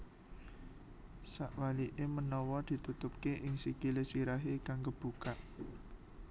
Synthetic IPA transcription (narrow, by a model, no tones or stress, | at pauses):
saʔwaliʔemənɔwɔd̪̥i̤t̪ut̪ʊp̚keʔɪŋsikilesiɾaɦekaŋkəb̥ṳkaʔ